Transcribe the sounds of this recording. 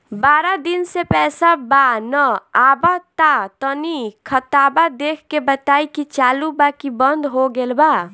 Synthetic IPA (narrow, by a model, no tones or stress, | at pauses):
baɾad̪insepɛsabanəabat̪at̪ənikʰət̪abad̪ekʰkebət̪aikit͡ʃalubakibənd̪ɦoɡelba